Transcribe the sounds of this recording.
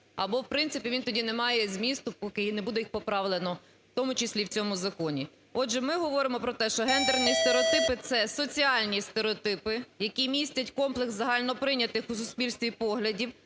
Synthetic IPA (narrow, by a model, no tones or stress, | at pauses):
ɐbɔwpɾɪnsɪpʲiʋʲint̪ɔdʲinɛmɑjɛzʲmʲist̪ʊpɔkɪnɛbud̪ɛjixpɔpɾɑʋlˠenɔ | t̪ɔmʊt͡ʃɪsʲlʲiwt͡sʲɔmʊzɐkɔnʲi | ɔʒɛmɪɦɔʋɔɾɪmɔpɾɔt̪ɛʃt͡ʃɔɦɛnd̪ernʲist̪eɾeɔt̪ɪpɪt̪sɛsɔt͡sʲiɑlʲnʲist̪eɾeɔt̪ɪpɪjɐkʲimʲisʲtʲɐtʲkɔmplˠekszɐɦɑlʲnɔpɾɪnʲɐt̪ɪxusʊspʲilʲst̪ʋʲipɔɦlʲɐdʲiw